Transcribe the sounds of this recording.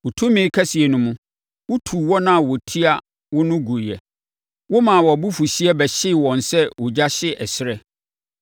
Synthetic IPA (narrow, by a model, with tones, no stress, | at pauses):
wʊ˨tʰũ˦mĩ˨˦kʰɛ˦si˨ɛ˨nʊ̃˨mũ˨ | wʊ˦tʰu˨wɔ˦nã˦˨wɔ˨tʰi˦a˦ | wʊ˦nʊ̃˦ɡu˨ɾjɛ̰˨ | wʊ˦mã˨wɔ˨bu˦fu˨ɕi˦ɛ˦bɛ˨ɕɪ˦˨wɔ̃˨n˨sɛ˦wʊ˨d͡ʑa˦ɕɪ˦ɛ˨sɪ˦ɾɛ˦